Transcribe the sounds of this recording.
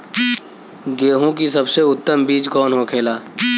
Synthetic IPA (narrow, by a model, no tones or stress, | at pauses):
ɡeːɦõkisɐbseʊt̪ːəmbiːd͡ʒkɔːnɦokʰeːlaː